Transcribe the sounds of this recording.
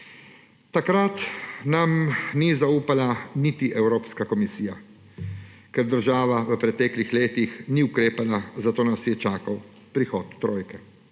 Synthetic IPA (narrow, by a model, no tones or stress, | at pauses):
t̪akɾat̪namnizauːpalanit̪iʔɛwɾoːpskakɔmisiːja | kɛɾd̪əɾʒaːʋaʋəpɾɛt̪ɛːklixleːt̪ixniukɾeːpalazat̪oːnasjɛt͡ʃaːkaw | pɾixɔːt̪ːɾoːjkɛ